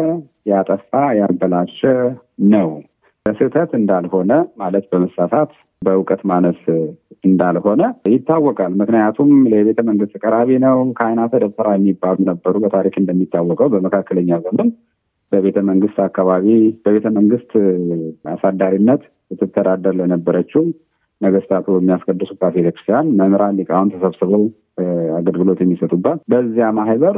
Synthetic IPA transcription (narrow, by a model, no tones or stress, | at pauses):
jat̪ʼəfajabəlaʃːɛnəw | bəsɨt̪ʰət̪ɨnd̪alho̞nəmalət̪bəməsasat̪ | bəʊkʼət̪manəsɨnd̪alho̞nəjɪt̪ːawːɔkʼalmɨknəjat̪ʰumləjɛβe̞t̪ʰəməŋɡɨst̪ɨkʼəɾaβinəwkʰəajnat̪ʰəd̪əβfəɾajɛmːibːalunəbːəɾubət̪ʰaɾikɨnd̪əmːit̪ʰːawːɔkʼəwbəməkʰakːələɲːazəmːɨn | bəβe̞t̪ʰəməŋɡɨst̪akːaβaβib̥əβe̞t̪ʰəməŋɡɨst̪ | asad̪ːaɾinːət̪ | ɨt̪ʰːɨt̪ʰːəd̪ad̪əɾlənəbːəɾət͡ʃːɪh | nəɡəst̪ʰat̪ʰujɛmːijaskʼəd̪ːɨsuabet̪əkɾɨst̪ʰijanməmɾalːikʼahunt̪ʰəsəβsɨβəw | aɡəlɡɨlo̞t̪jɛmːisət̪ʼubːət̪bəzːijamaɦhβəɾ